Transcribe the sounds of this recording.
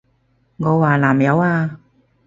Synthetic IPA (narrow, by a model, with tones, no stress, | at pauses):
ŋɔː˨˧waː˨˩laː˨˩mjɐ˨˧waː˧